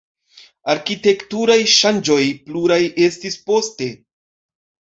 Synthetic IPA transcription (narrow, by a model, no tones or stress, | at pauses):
aɾkite̞ktuɾajʃand͡ʒo̞jpluɾaje̞stispo̞ste̞